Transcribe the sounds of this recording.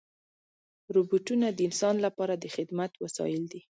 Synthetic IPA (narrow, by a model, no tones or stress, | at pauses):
ɾubuʈunad̪əɪnsɑnlapɑɾad̪əxɪd̪mat̪wasɑ̰jɪld̪i